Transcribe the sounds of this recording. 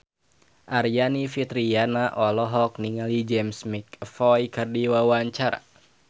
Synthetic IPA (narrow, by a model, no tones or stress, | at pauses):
ʔaɾijanifit̪ɾianaʔɔlɔɦɔk̚niŋalid͡ʒɛmsmikfɔjkɨrdiwawaɲt͡ʃaɾa̰